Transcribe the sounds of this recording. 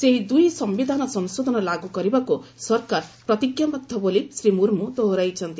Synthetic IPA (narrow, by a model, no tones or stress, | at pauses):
seɦid̪ujsʌmbid̪ʱanʌsʌnsod̪ʱʌnʌlaɡuɡʌɾibakosʌrkarprʌt̪ikjʌmbʌk̚d̪ʱʌbolisrimuɾmut̪oɦɾʌjt͡sʰʌnt̪i